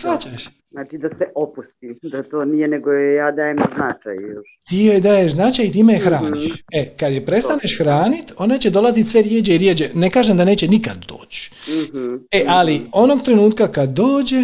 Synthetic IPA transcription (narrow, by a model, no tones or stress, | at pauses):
sʋat͡ɕaʃ | znaːt͡ʃid̪aseʔopust̪id̪at̪oːnijeneɡojjaːd̪aːjemznat͡ʃa̰ju | t̪ijojd̪aːjeʒznat͡ʃajit̪iːmejexɾaːnniʃʃekad̪jepɾe̞st̪aneʃxɾaːnit̪o̞nat͡ɕe̞d̪o̞lˠazit̪sʋeɾjeːd͡ʒeiɾjeːd͡ʒene̞kaːʒemd̪ane̞ːt͡ɕenikad̪̚d̪o̞̰ːt͡ɕɦ̩eʔalio̞no̞ɡt̪ɾe̞nuːt̪kakad̪ːoːd͡ʑe̞